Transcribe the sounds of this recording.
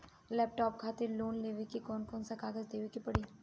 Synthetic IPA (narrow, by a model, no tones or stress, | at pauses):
lɛːp̚ʈɔːp̚kʰaːt̪eɾloːnleːʋekikɔːnkɔːnsakaːɡəzd̪eːʋekipɐɽi